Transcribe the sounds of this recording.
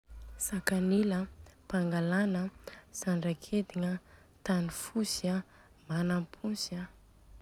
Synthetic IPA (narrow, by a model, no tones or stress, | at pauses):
sakaniləpaŋɡalanəsaɳɖ͡ʐakʰed̪iŋə | t̪anifusia | manampʰunsia